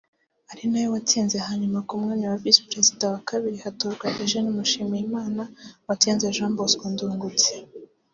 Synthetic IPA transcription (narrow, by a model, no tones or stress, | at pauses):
aɾinajowatiːnzehaɲumakumŋaːɲawavisi̥pɾe̞zidawakaβiɾihatoɾɡwaʔeʒenimuʃiːmijimaːnawatiːnzeʒãːmboskonduːŋɡut͡se